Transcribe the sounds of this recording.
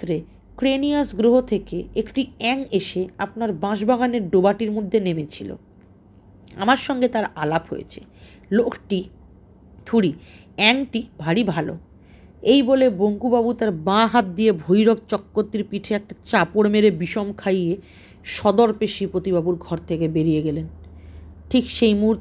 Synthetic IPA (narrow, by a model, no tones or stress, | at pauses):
ɾe | kɾenijasɡɾoɦot̪ʰekeekʈiɛŋeʃeapnaɾbãʃbaɡaneɾɖobaʈiɾmod̪ʱːenemet͡ɕʰilo̰ | a̰maɾʃɔŋɡet̪aɾalapɦo̰jḛt͡ɕʰe̥̰ | lokʈi | t̪ʰuɽi | ɛŋʈibʱaɽibʱalo̰ | ejboleboŋkubabut̪aɾbãɦat̪̚d̪ijebʱojɾok̚t͡ɕɔkːot̪ːiɾpiʈʰeɛk̚ʈat͡ɕapoɾmeɾebiʃomkʰaje | ʃɔd̪oɾpeʃipɾot̪iβabuɾɡʱɔɾt̪ʰekebeɾijeɡelen | ʈʰikʃejmuuɾt̪